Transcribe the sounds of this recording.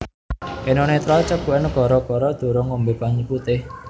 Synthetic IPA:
ʔenonet̪ɾalt͡ʃəkuɛnkɔɾɔkɔɾɔd̪̥o̤ɾɔŋombepaɲiput̪e

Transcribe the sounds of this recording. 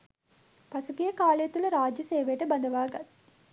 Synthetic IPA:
pɐsukijɐkaːleːt̪ulɐɾaːd͡ʒjɐseːʋeːʈɐbɐnd̪ɐʋaːɡɐ

